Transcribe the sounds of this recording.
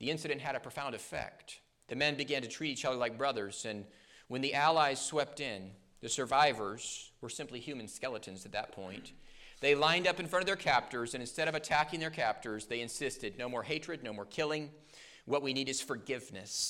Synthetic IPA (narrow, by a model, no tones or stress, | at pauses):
ðiɪ̃nsɨɾɨ̃nʔ̚ɦɨɾɨpʰɹ̥əfãʊ̃ndɨfɛ̰k̚t̪̚ | ðɨmɛ̃nbɨɡæ̃ntɨtʰɹ̥iɾit͡ʃʌðə˞laɪk̚b̥ɹʌðə˞z̥ɨ̃n | wə̃nðiʔælˠaɪz̥swɛp̚tɪ̃n | ðɨsə˞vaɪvə˞z̥wə˞sɪ̃mplihjʉmɨ̃nskɛlˠəɾɨ̃nzɨt̪̚ðɨt̚pʰɔ̰̃ɪ̃nðeɪlãɪ̃ndʌpɨ̃n̩fɹʌ̃ɾʌvðə˞kʰæp̚tə˞zɨ̃ñɨ̃nstɛɾʌvɨtʰækɪ̃ŋðə˞kʰæp̚tə˞zðeɪɨ̃nsɪstɨdⁿnoʊmɔɹɦeɪtɹ̥ɨd̚ⁿnoʊmɔɹkʰɪlˠɪ̃ŋ | wʌt̚winiɾɨz̥fə˞ɡɪvnɨs